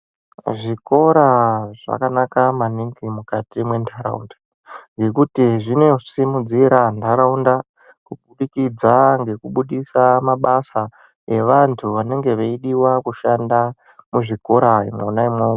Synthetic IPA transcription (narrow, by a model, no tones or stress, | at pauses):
ʐiko̞ɾaʐ̥a̰kanakamaniŋɡimukatimwe̞ntʰaɾa̰ṵnda | ŋɡe̞kutiʐinosimud͡ziɾantaɾaunda | kuɓuɗikid͡zaŋɡe̞kuɓuɗisamaɓasa | e̞ʋantʰuʋane̞ŋɡe̞ʋeiɗiwakuʃanda | muʐiko̞ɾaḭmwonaimo